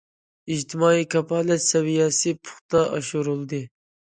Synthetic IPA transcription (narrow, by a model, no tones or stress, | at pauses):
id͡ʒt̪ʰɪmɑːikʰɑpʰɑːlɛt̪sɛwijɛsɨpʰʊ̥χt̪ɑʔɑʃuɾulˠd̪ɨ